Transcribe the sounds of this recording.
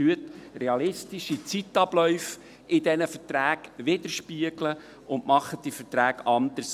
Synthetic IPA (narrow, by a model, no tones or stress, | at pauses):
yət̪reɑlɪstiʃit͡sit̪ɑb̥lœʏf | ɪdɛnəfəɾtɾæːɡʋɪd̪əɾʃpiəɡlə | ʊnmɑχəd̥̪ifətɾæːɡɑnd̪əɾs